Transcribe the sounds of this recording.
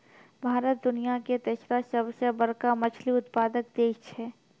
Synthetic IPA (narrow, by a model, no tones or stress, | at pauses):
bʱaːɾət̪̚d̪ʊnijaket̪esɾasəbsəbəɾkamɐt͡ʃʰliʊt̪paːd̪ək̚d̪eːkʰt͡ʃʰɛː